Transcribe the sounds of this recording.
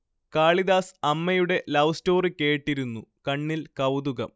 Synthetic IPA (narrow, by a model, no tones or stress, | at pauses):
kaːɭiðaːsɐmːɐjuɽe̞lɐwsto̞ːrikːe̞ːʈːiɾunːukɐɳːilkɐwd̪uɣɐm